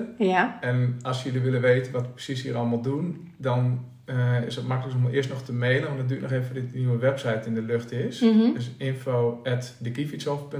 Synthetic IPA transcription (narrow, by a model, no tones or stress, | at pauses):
ɛnɔlˠsjøliʋɪləʋeːtənʋɔtprə̥sishiəɾɔlˠmalˠdun | dɔn | ɪ̰sdɔtmakələksomalˠʔɪəstnɔxtəmeːlənʋɔndɔdyətnɔxeːvədɪtniwəʋɛpsɛjtɪndəløxtɪsdøsɪnfoːɛtdəkifitsɔfpø